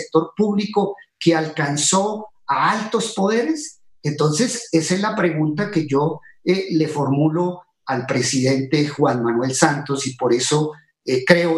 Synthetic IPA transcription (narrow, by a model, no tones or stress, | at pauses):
k̚t̪o̞ɾpuβliko̞kealkanso̞ | aalt̪o̞spo̞ðe̞ɾe̞s | ent̪o̞nse̞seselapɾe̞ɣunt̪ake̞ʝo̞ele̞fo̞ɾmulo | alpɾe̞siðe̞nt̪e̞xwanmanwe̞lsant̪o̞sipo̞ɾe̞so̞ | kɾe̞o